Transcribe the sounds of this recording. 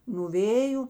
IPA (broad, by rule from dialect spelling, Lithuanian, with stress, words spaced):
nuɔ ˈʋʲeːjʊ